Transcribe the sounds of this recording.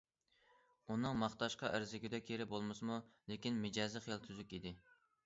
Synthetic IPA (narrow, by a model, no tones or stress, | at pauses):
unɨŋmɑχt̪ɑʃqɑʔæɾzɪɡʲɪd̪ɛkʲʰeɾɪbolˠmɨsmulekʲinmɪd͡ʒɑːzɨχjelˠt̪ʰyzykʲid̪ɪ